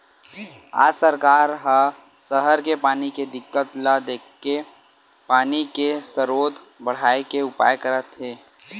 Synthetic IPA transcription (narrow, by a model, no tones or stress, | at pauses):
a̰ːd͡ʒsəɾkaːɾɦã | səɦəɾkepaːniked̪ɪkːət̪lad̪eːkːe | paːnikesəɾoːd̪ʱ | bəɽ̤aːekeʊpa̰ːjkəɾət̪ɦeː